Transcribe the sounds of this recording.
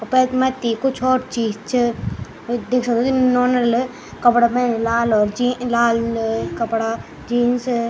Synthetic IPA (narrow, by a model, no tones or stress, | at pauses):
ɔpɛːt̪mɐt̪ːikʊt͡ʃʰɔːɾt͡ʃiːzt͡ʃʰ | d̪eːkʰsɐk̚d̪okinɔːɾnəɾl | kɐpɽabɛnlaːlɔːɾd͡ʒilaːlkɐpɽa | d͡ʒiːns